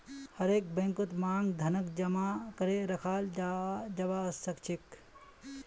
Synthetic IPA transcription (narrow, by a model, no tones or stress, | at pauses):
hɐɾeːk̚bɐŋkut̪maːŋɡd̪ʱɐnɐk̚d͡ʒɐmaːkɐɾeɾɐkʰaːld͡ʒad͡ʒɐbaːsɐkt͡ʃʰik